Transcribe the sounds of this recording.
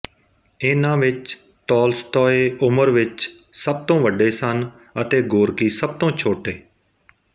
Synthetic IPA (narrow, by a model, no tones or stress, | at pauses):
ɪnãːʋɪt͡ʃ | t̪ɔːlst̪ɔːeːʔʊməɾʋɪt͡ʃ | səb̚t̪õːʋəɖeːsən | ət̪eːɡoːɾkiːsəb̚t̪õːt͡ʃʰoːʈeː